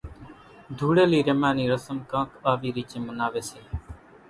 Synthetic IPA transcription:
d̪ʱuːɽeːliːɾemãːniːɾəsəmkãːkaːʋiːɾiːt͡ʃẽːmənaːʋeːseː

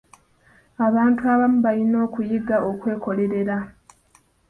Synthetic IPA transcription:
aβaːntuaβamuβalino̞ːkujiɡaʔo̞kwe̞ːko̞le̞ɾe̞ɾa

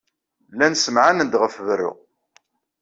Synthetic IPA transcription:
lænsəmʕanənd̪ʁəfvərːʊ̰ʁ

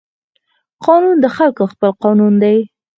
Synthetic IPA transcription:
qɑnund̪əxalkoxpəlqɑnund̪aj

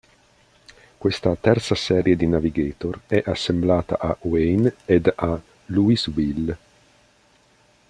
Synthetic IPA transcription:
kwest̪at̪ɛrt̪sasɛːɾjed̪inaviɡeːt̪orɛʔasːemblaːt̪a̰ʔawejned̪a | luiswil

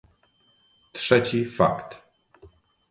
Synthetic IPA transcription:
t̪ʂɛt͡ɕifa̰kt̪

